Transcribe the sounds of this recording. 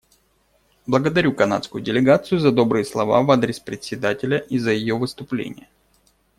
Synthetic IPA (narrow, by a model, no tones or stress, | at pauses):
blˠəɡəd̪ɐɾʲukɐna̰t̪skʊjʊdʲɪlʲɪɡat̪sɨjʊzɐd̪o̞bɾɨjəslˠɐva̰vad̪ɾʲɪspɾʲɪt̪ʲsʲɪd̪atʲɪlʲəʔizəjɪjovɨst̪ʊplʲḛnʲɪ̰jə